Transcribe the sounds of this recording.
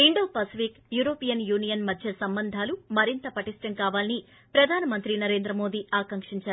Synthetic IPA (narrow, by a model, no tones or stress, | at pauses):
iɳɖo̞ːpaːsipikjuːɾo̞ːpijɐnjuːnijɐnmɐd̪ʱjɐsɐmbɐnd̪ʱaːlumɐɾint̪ɐpɐʈisʈɐŋkaːʋaːlini | pɾɐd̪ʱaːnɐmɐnt̪ɾinɐɾe̞ːnd̪ɾɐmo̞ːd̪iːʔaːkɐŋkʂiɲt͡ʃaːɾu